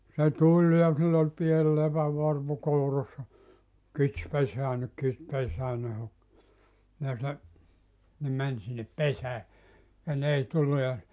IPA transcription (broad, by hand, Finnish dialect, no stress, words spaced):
se tulʲ jɑ silː ol piel lepæʋːɑrpu kourɑsːɑ kits peseænːek kit pesæːnːe hok jɑ se ne mæn sinːep pesæː jɑ n ei tulːu jɑ